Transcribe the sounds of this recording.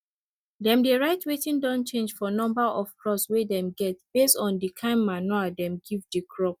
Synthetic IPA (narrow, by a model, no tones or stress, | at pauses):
dɛ̃mdeɹaɪtwetĩndɔ̃nt͡ʃẽnd͡ʒfɔnɔ̃mbaʔɔv̥kʰɹɔswedɛ̃mɡɛt̚b̥estɔ̃ndikʰãɪ̃mːmanɔadɛ̃mɡivdekʰɹɔp̚